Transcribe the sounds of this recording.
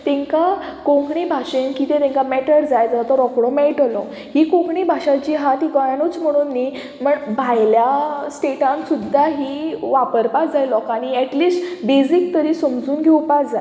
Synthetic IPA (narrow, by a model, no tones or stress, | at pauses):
t̪ẽŋkakõŋɡɳibʱaʂenkit̪ẽt̪ẽŋkamɛʈəɾd͡zajd͡zəat̪ɔɾɔkɽɔmɛʈlɔ | hikõɡɳibʱaʂat͡ɕiːɦat̪ikɔjanut͡sm̤əɽ̃uːnːi | m̤əɳbʱajljasʈeʈãnsud̪ʱːaɦiʋapəɾpad͡zajlɔkaɽ̃iɛʈliːsʈbed͡zik̚t̪əɾiːsəmd͡zuːnɡʱewpatd͡za̰j